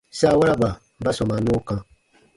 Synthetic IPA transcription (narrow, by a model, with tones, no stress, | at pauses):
sa˦˨wa˦ɾa˦ba˨ | ba˦sɔ̃˨ma˨nõ˦kã˨